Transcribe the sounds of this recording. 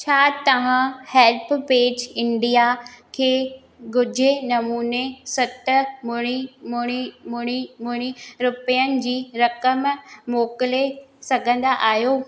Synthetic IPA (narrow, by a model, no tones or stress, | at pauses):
t͡ɕʰaːt̪ɐʋ̤ãhɛːlpʰpeːd͡ʑɪ̃ɳɖijakʰeː | ɡʱʊd͡ʑʱenɐmuːnesɐt̪mʊɽ̃imʊɽ̃imʊɽ̃imʊɽ̃iɾʊpijənɪ̆d͡ʑiːɾɐkəmmoːkɪlesɐɡʱə̃nd̪aʔaːɦijoː